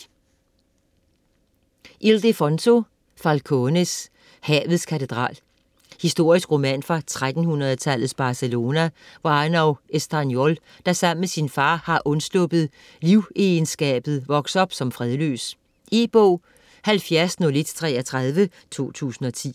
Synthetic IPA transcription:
ʔild̥əfɔnsʰo̝ | fælkʰɔnes | hɛ̰ːʋð̞̩ˠskʰæt͡sʰe̝d̥ʁɑ̰̈ːl | hisd̥o̝ɐ̰isɡ̥ʁo̝mænfʁɑ̈t͡sʰʁad̥n̩hunɐðˠt͡sʰæl̰ð̩ˠsb̥ɑ̈ːselo̝ːnæʋɑɑnɒʊʔesd̥ɑnjol | d̥ɑ̈sɑ̈m̰mesinfɑ̈ːhɑ̈ʔɔ̽nslɔb̥ð̩ˠ | liʊensɡ̥ɛ̰ːb̥ð̩ˠʋɒ̽ɡ̥sɒ̽b̥sɒ̽mfʁɛðˠlø̰ːs | ʔib̥ɔʊ̰ | hælfjæɐsnoled̥t͡sʰʁɛːɐt͡sʰʁað̞ˠʋə | t͡sʰo̝̰ːt͡sʰṵːsn̩ɒ̽t͡sʰḭː

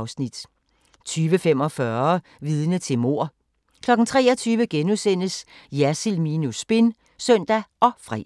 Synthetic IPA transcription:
ʊsnid̥ | t͡sʰyːʋəfem̰ɒ̽fɶɐ | ʋiːð̞ˠənət͡sʰe̝lmo̝ɐ̰ | kʰlɒ̽ɡ̥n̩t͡sʰʁɛ̰ːɒ̽t͡sʰyːʋəɡ̥enuðˠsen̰əsjæsilminusb̥e̝n | sœn̰d̥æʔɒ̽fʁɛ̰

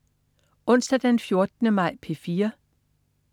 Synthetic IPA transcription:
ɔ̽n̰sd̥æd̥enfjo̝ɐd̥ənəmɑ̈ɪ̰pʰe̝fiːɐ

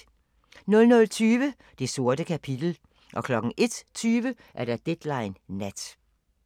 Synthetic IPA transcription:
nɔ̽lnɔ̽lt͡sʰyːʋə | d̥e̝so̝ɐdəkʰæpʰid̥l̩ | ʔɒ̽kʰlɒ̽ɡ̥ŋ̩ʔe̝d̥t͡sʰyːʋə | ʔæɐɾ̥ɑd̥ed̥lɑ̈ɪnːæd̥

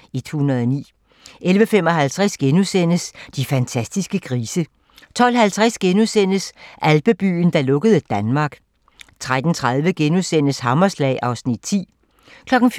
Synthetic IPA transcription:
id̥hhunɐðˠɒnḭː | ʔelʋəfem̰ɒ̽ɦælt͡sʰʁasɡ̥enusen̰əsd̥ifænt͡sʰæsd̥isɡ̥əkʰʁiːsə | t͡sʰɒ̽l̰hælt͡sʰʁasɡ̥enusen̰̥əsʔælb̥əb̥y̰ːn̩d̥ɑ̈lɔ̽ɡ̥əð̞̩ˠəd̥ænmɑ̈ːɡ̥ | t͡sʰʁad̥n̩t͡sʰʁað̞ˠʋəɡ̥enusen̰əshɑ̈mɐslɛ̰ːɪʔɑ̈ʊsnid̥̚t͡sʰḭː | kʰlɒ̽ɡ̥n̩f

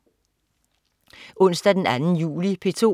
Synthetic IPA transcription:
ʔɔ̽n̰sd̥æd̥enænn̩jṵːlipʰe̝t͡sʰo̝̰

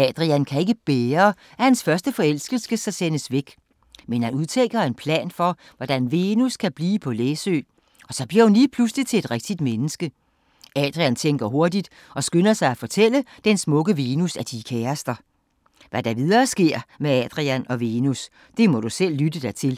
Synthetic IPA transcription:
ɛd̥ʁiænkʰæe̝ɡ̥əb̥eːɐːæhænsfɶɐsd̥əfɒ̽el̰sɡ̥əl̩sɡ̥ləsɑsenəsʋeɡ̥ | menhænuðˠt͡sʰeɡ̥ɐe̝npʰlɛ̰ːnfɒ̽ | ʋɒd̥ænʋe̝ːnuskʰæb̥liːpʰɒ̽leːsø̰ː | ɒ̽sɒ̽b̥liɐhunliːpʰluslit͡sʰe̝e̝d̥ʁɛɡ̥̚d̥id̥menəsɡ̥ə | ɛd̥ʁiænt͡sʰeŋ̰ɡ̥ɐɦo̝ɐdid̥ | ɒ̽sɡ̥ønɐsɑ̈ɪæfɒ̽t͡sʰel̰əd̥ensmɔ̽ɡ̥əʋeːnusæd̥ikʰɛɐsd̥ɐ | ʋæd̥ɑ̈ʋið̞ˠɐːsɡ̥e̝ɐ̰meɛd̥ʁiænɒ̽ʋeːnus | d̥e̝mɒ̽ɾ̥usel̰ːyd̥əd̥æt͡sʰe̝l

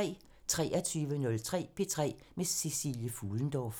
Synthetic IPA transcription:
ɛ̰ː | t͡sʰʁɛːɐt͡sʰyːʋənɔ̽lt͡sʰʁɛ̰ːpʰe̝t͡sʰʁɛ̰ː | mesisḭljəfuːln̩d̥ɒf

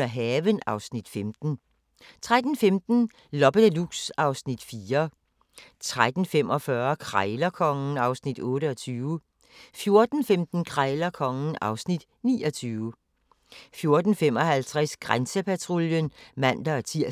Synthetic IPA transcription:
ɐɦɛːʋənɑ̈ʊsnid̥femd̥n̩ | t͡sʰʁad̥n̩femd̥n̩ | lɒb̥əluɡ̥sɑ̈ʊsnid̥fiːɐ | t͡sʰʁad̥n̩fem̰ʔɒ̽fɶɐkʰʁɑ̈ɪlɐkʰɒ̽ŋn̩ɑ̈ʊsnid̥ɔ̽ːɾəɒ̽t͡sʰyːʊə | fjo̝ɐd̥n̩femd̥n̩kʰʁɑ̈ɪlɐkʰɒ̽ŋn̩ɑ̈ʊsnid̥ | niːɒ̽t͡sʰyːʊ | fjo̝ɐd̥n̩fem̰ɒ̽ɦælt͡sʰʁɛsɡ̥ʁansəpʰæt͡sʰʁoljənmæn̰d̥ɐt͡sʰiɐ̰

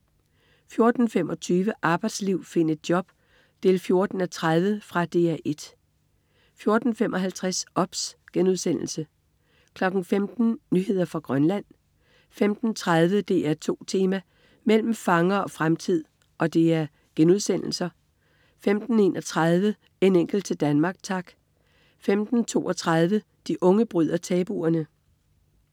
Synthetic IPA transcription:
fjo̝ɐd̥n̩fem̰ɒ̽t͡sʰyːʋəʔɑ̈ːb̥ɑ̈ɪd̥sliʊ̰fe̝n̰ed̥̚jɒ̽b̥ | d̥ʰe̝lfjo̝ɐd̥n̩æt͡sʰʁaðˠʋəfʁɑ̈d̥e̝̰æʔe̝d̥ | fjo̝ɐd̥n̩fem̰ʔɒ̽ɦælt͡sʰʁasɒ̽b̥sɡ̥enuðˠsen̰l̩sə | kʰlɒ̽ɡ̥n̩femd̥n̩nyhe̝ð̞̰ˠɐfʁɑ̈ɡ̥ʁɶnlæn̰ | femd̥n̩t͡sʰʁaðˠʋəd̥e̝ʔæɐt͡sʰo̝̰ːt͡sʰe̝ːmæ | mel̰m̩fɑ̈ŋɐɒ̽fʁamt͡sʰið̰ˠ | ʔɒ̽d̥e̝æɐ | ɡ̥enuð̞̰ˠsen̰l̩sɐ | femd̥n̩e̝ːnʔɒ̽t͡sʰʁað̞ˠʋə | e̝neŋ̰ɡ̥l̩d̥̚t͡sʰe̝ld̥ænmɑ̈ːɡ̥̚t͡sʰɑ̈ɡ̥ | femd̥n̩t͡sʰo̝̰ːʔɒ̽t͡sʰʁað̞ˠʋə | d̥iʔɔ̽ŋəb̥ʁyð̞̰ˠɐt͡sʰɛːb̥ṵɐnə

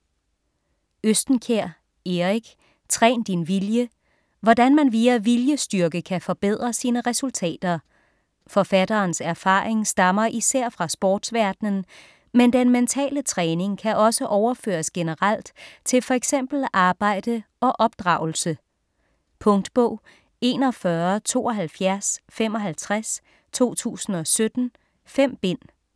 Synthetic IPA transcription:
øsd̥n̩kʰeɐ̰ | eʁiɡ̥ | t͡sʰʁɛ̰ːnd̥inʋiljə | ʋɒd̥ænmænʋiːæʋiljəsd̥yɐɡ̥əkʰæfɒ̽b̥eð̞̰ˠʁɐsiːnəʁɛsult͡sʰɛ̰ːd̥ɐ | fɒ̽fæd̥ɐːnsæɐfɑ̈ːʁeŋsd̥ɑ̈mɐʔisæɐ̰fʁɑ̈sb̥ɒːd̥sʋæɐd̥nən̩ | mend̥enment͡sʰɛ̰ːlət͡sʰʁɛːne̝ŋkʰæʔɒ̽səʔɒʊɐfø̰ːɐsɡ̥e̝nəʁal̰d̥t͡sʰe̝lfɒ̽eɡ̥sem̰b̥l̩ʔɑ̈ːb̥ɑ̈ɪ̰d̥ə | ɒ̽ʔɒ̽b̥d̥ʁɑ̈ʊ̰l̩sə | pʰɔ̽ŋd̥b̥ɔʊ̰ | e̝ːnɒ̽fɶɐt͡sʰo̝̰ːɒɦælfjæɐsfem̰ɒ̽ɦælt͡sʰʁas | t͡sʰo̝̰ːt͡sʰṵːsn̩ɒ̽sød̥n̩ | fem̰b̥e̝n̰

